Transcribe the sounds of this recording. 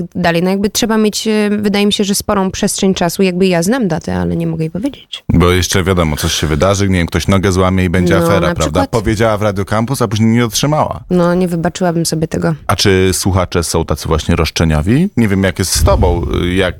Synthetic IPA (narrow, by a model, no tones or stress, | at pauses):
d̪alɛjnɔjaɡbɘtʂɛbamʲjet͡ɕvɘd̪ajɛmʲiɕɛʐɛspɔɾɔ̃w̃pʂɛstʂɛɲʲt͡ʂasujaɡ̚bɘjaznamd̪at̪ɛ̰a̰lɛ̰ɲɛmɔɡɛjipɔvʲjed͡ʑet͡ɕbɔjɛʂt͡ʂɛvʲjad̪ɔmɔt̪sɔɕɕɛvɘd̪aʐɘɲɛvʲjɛmkt̪ɔɕnɔɡɛzwamʲjɛibɛɲd͡ʑɛafɛɾɾaapɾavd̪aat̪pɔvʲjed͡ʑawavɾad̪jukampusapuʑɲejɲɛɔtʂɘmawa̰nɔɲɛvɘbat͡ʂɘwabɘmsɔbʲjɛt̪ɛɡɔat͡ʂɘswuxat͡ʂɛsɔ̃w̃t̪at̪sɨvwaɕɲɛɾɔʂt͡ʂɛɲɔvʲiɲɛvʲjɛmjakjɛst̪st̪ɔbɔ̃w̃jak